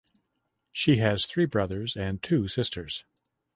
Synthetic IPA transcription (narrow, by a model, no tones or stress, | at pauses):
ʃiɨz̥θɹibɹʌðə˞zɨ̃ntʰʉsɪstʰə˞z̥